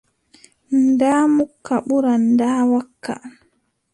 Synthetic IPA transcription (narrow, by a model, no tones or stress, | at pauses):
ndaːmukʰːaɓuɾandaːwakʰːa̰